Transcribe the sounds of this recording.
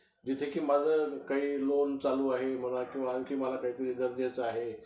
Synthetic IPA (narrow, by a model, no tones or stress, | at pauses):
d͡ʑɪt̪ʰekimãd͡zəkɐiloːnt͡saluaːɦem̤ɐnakĩʋãkʰimalakɐɦĩt̪əɾidɐɾnət͡saːɦe